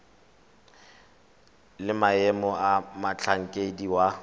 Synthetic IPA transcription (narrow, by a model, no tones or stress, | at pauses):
lɪmaɛmɔamat͡ɬʰaŋ̩kʼediwa